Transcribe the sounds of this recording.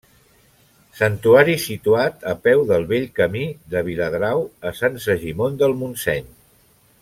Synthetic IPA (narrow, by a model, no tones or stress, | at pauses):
sənt̪uaɾisit̪uat̪əpɛwðəlˠβeʎkəmiðəβ̞iləðɾawəsansəʒimond̪əlˠmunsɛɲ